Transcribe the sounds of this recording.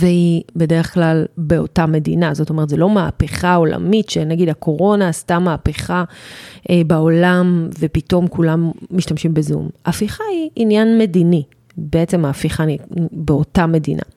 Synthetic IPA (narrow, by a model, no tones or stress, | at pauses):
vehibe̞de̞ʁeχklalbe̞o̞tame̞dḭnazo̞tome̞tzelo̞ma̰ːpeχao̞la̰mitʃenaɡidakʰo̞ʁo̞naːstamaːpeχaʔebao̞lamve̞pito̞mkulamːiʃtamʃimbezṵmafiχaiʔːnjanme̞dini | beet͡se̞maːfiχanibeo̞tame̞dinʔa̰